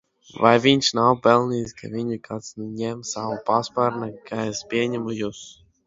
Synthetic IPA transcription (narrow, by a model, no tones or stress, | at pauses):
vajvʲiɲʲʃnawpɛlˠnʲiːskavʲiɲikʰat̪snɲʲɛmsawupaspaɾnakʰaɛspʲiɛɲɛmujus